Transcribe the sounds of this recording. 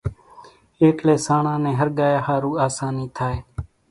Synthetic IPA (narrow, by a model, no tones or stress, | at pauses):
eːkleːsaːɳãːnẽːɦəɾɠaːjaːhaːɾuːaːsaːniːt̪ʰaːeː